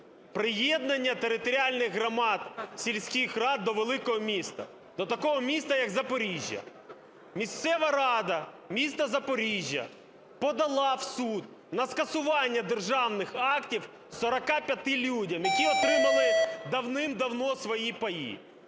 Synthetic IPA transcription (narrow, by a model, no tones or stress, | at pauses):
pɾɪjɛd̪nɐnʲːɐt̪eɾɪt̪ɔɾʲɪalʲnɪɣɦɾɐmɑt̪sʲilʲsʲkʲixrɑd̪ːɔʋelˠɪkɔɦɔmʲist̪ɐ̰ | d̪̥ɔt̪ɐkɔɦɔmʲist̪ɐjɐɡzɐpɔɾʲiʒʲjɐ̰ | mʲist̪sɛʋɐɾɑd̪ɐ | mʲist̪ɐzɐpɔɾʲiʒʲjɐ̰ | pɔd̪ɐlˠɑwsud̪ | nɐskɐsʊʋɑnʲːɐd̪erʒɑwnɪxɑktʲiw | sɔɾɐkɑpʲjɐt̪ɪlʲudʲɐmjɐkʲiɔt̪ɾɪmɐlˠɪd̪ɐwnɪmd̪ɐwnɔsʋɔjipɐjḭ